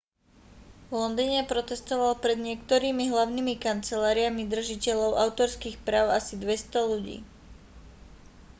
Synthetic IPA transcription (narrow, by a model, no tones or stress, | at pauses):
ʋlɔnd̪iːɲɛpɾɔt̪ɛst̪ɔʋalpɾɛd̪ɲɪɛkt̪ɔɾiːmiɦlaʊnimikant͡sɛlaːɾiamid̪r̩ʒicɛʎɔʊʔaʊt̪ɔɾskiːxpɾaːʊasid̪ʋɛst̪ɔluɟḭː